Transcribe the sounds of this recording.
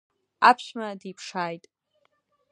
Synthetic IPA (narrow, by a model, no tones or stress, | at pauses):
apʰʃmadipʰʂaːjtʼ